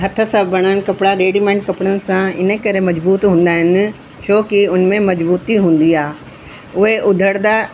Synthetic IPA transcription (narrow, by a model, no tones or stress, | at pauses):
ɦɐt̪ʰə̆sãbʱɐɽ̃əñɪ̆kɐpɪɽaɾeːɖimẽːɳʈ̚kɐpɽ̃ənɪ̆sãɪ̰nəkɐɾemɐd͡ʑbuːt̪ɦũːn̆d̪aːɦɪnɪ̆ | ʃoːkiʊnmẽmɐd͡ʑbuːt̪iɦũːn̆d̪iaː | ʊɦeʔʊd̪ʱəɽd̪aː